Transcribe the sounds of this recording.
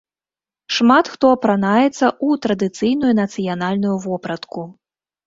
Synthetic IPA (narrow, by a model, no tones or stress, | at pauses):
ʂmat̪xt̪ɔɐpɾanajɛt̪sːɐʔut̪ɾɐd̪ɨt̪sɨjnujunɐt̪sɨjanalʲnujuvɔpɾɐt̪ku